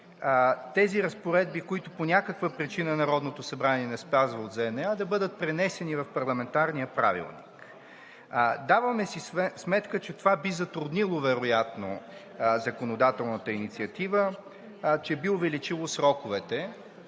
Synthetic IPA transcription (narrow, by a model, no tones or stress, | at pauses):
t̪ɛziɾɐspoɾɛd̪̚bikoit̪ʊponʲakəkvəpɾit͡ʃinənɐɾɔd̪not̪osɐbɾanʲiɛnɛspazvəod̪zɛnɛad̪ɐbɤd̪ət̪̚pɾɛnɛsɛnivɐfpɐɾlˠɐmɛnt̪aɾnijəpɾa̰vḭlˠnḭk | d̪avəmɛsismɛt̪kət͡ʃɛt̪ovabizɐt̪ɾʊd̪nilˠovɛɾojat̪no̰ | zɐkonod̪at̪ɛlˠnət̪əinit̪siət̪ivə | t͡ʃɛbiʊvɛlit͡ʃilˠosɾɔkʊvɛt̪ɛ